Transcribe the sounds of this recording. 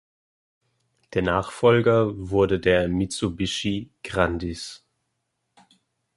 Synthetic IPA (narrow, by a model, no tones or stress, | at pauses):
d̥eːɐnaːχfɔlɡɐvʊɐdədeːɐmit͡subɪʃiɡ̥ʁandis